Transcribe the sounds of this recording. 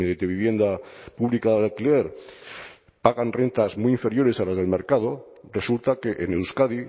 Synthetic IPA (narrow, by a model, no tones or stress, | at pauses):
d̪eβiβ̞je̞nd̪apuβlikaðealkile̞ɾ | paɣanre̞nt̪azmijiɱfe̞ɾjo̞ɾe̞salazðelme̞ɾkað̞o | result̪akeʔenewskaði